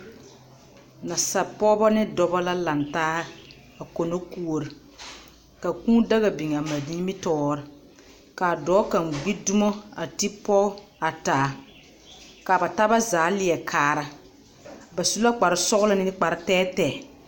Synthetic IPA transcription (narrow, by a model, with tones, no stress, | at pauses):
na˨sa˨pɔː˦bɔ˦nɪ˦dɔ˦ba˦la˦la˨ntaː˦ | a˨ko˨no˦ku˦o˨ɾi˨ | ka˨kũː˦da˦ɣa˨bi˨ŋ˨a˨ma˨di˦mi˦tɔː˦ɾɪ˨ | ka˨dɔː˨˦ka˨ŋɡ͡bi˦du˦mo˦a˨ti˦pɔ˦a˨taː˨˦˨ | ka˨ba˨ta˦ba˦zaː˨˦lɪ˨ɛ˨kʰaː˨ɾa˨ | ba˨su˦la˦k͡pa˨ɾɪ˦sɔ˦ɣʊ˦lɪ˦nɪ˦k͡pa˨ɾɪ˦tɛː˦tɛː˨